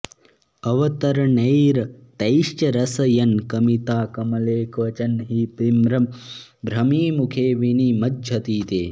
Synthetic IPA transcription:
ɐʋɐt̪ɐɾɐɳɐjɾt̪ɐjʃt͡ʃɐɾɐsɐjɐnkɐmit̪aːkɐmɐleːkʰʋɐt͡ʃɐnɦiːpimɾɐm | bɾɐmiːmukʰeːʋinimɐdʒʱɐt̪iːt̪ḛː

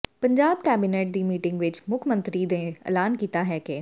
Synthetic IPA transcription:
pəɲd͡ʒaːbkɛːbineːʈ̚d̪iːmiːʈɪ̃ŋɡʋɪt͡ʃmʊkʰmə̃nt̪ɾiːd̪ẽːɛ̰ːlaːnkiːt̪aːɦɛːke

